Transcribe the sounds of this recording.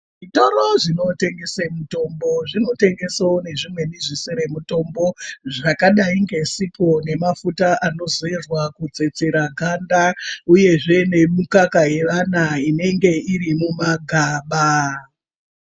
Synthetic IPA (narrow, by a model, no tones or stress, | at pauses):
ʐitoɾoʐino̞te̞ŋɡe̞semuto̞mbo̞ʐino̞te̞ŋɡe̞saone̞ʐimwe̞niʐiseɾe̞muto̞mbo̞ʐakaɗaiŋɡe̞sipʰo̞ne̞mafutaʔano̞zoerwakud͡ze̞t͡se̞ɾaɡʱandauje̞ʐe̞ne̞mukakaje̞ʋanaine̞ŋɡe̞iɾimumaɡʱaːɓa